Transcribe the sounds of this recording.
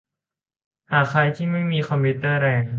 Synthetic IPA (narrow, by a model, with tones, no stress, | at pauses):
haː˨˩kʰːɾa˧jt̪ʰiː˥˩ma˥˩jmiː˧kʰɔ˧mpʰu˦˥t̪ɤː˥˩ɾɛː˧ŋ